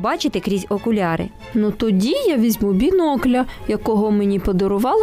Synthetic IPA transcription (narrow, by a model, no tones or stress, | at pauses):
bɑt͡ʃɪt̪ɪkɾʲizʲɔkʊlʲɑɾɪ̰ | nut̪ɔdʲijaʋʲizʲmubʲinɔklʲɐjɐkɔɦɔmenʲipɔd̪ɔɾʊʋɑlˠ